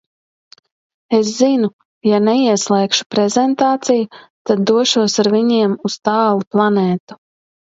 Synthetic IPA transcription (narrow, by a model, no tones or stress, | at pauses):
eszinu | janɛiɛslˠɛːkʃu̥pɾɛzɛnt̪aːt̪sijut̪ad̪ːuɔʃuɔsaɾviɲiɛmust̪ɑːlˠuplˠaneːt̪u̥